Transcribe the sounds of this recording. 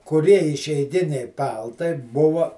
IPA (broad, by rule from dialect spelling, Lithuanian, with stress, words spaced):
kʊˈrʲiɛ ɪʃʲɛɪˈɡʲɪnʲɛɪ ˈpɐlˠtɐɪ ˈbʊʋɐ